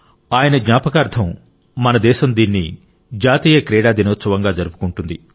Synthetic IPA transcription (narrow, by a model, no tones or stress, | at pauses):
aːjɐnɐɡɲaːpɐkaːɾt̪ʰɐmː | ɐnɐd̪ɛːʃɐmd̪iːnːi | d͡ʒaːt̪iːjɐkɾɛːɽaːd̪inɐːt̪sɐʋɐŋɡaːd͡ʒɐɾupu̥kuɳʈund̪i